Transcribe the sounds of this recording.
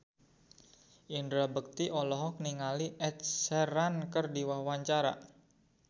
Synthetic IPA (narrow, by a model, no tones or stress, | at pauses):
ʔindɾabək̚t̪iʔɔlɔɦɔk̚niŋaliʔɛt̪̚sɛɾankərdiwahwaɲt͡ʃaɾa̰